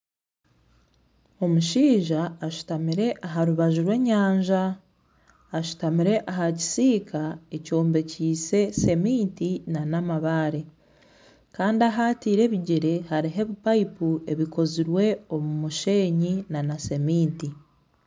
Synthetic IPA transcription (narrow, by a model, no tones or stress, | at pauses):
o̞muʃiːʒaːʃu̥tamiɾe̞ʔaɦaɾuβaʒuɾwe̞ːɲaːɲʒaː | ʃu̥tamiɾe̞ʔaɦaci̥siːkaeco̞ːmbe̞ciːse̞se̞miːtinanamaβaɾe̞ | kaːndiaɦaːtiːɾe̞ːβiɟeɾe̞haɾiɦe̞βipaipue̞βiko̞ziɾwe̞o̞mumuʃe̞ːɲinanase̞miːnti